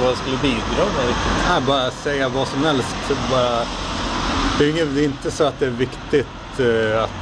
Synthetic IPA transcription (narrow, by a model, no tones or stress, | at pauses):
adɛskɵlːəbiːd̪ɾɑːmɛɾɪk̪æbɑːɾasɛjːavɑːsɔmhɛlst̪bɑːɾa | d̪̥ɛɾɪŋːənɛɪnt̪əsɔat̪̚d̪ɛæɾvɪkt̪ɪt̪ | at̪